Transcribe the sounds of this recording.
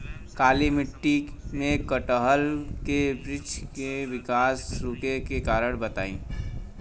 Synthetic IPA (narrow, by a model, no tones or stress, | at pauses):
kaːlimɪʈːimẽkəʈəɦəlkebɾɪt͡ʃʰkeʋɪkaːsɾukekekaːɾəɽ̃bət̪a̰ːḭ̃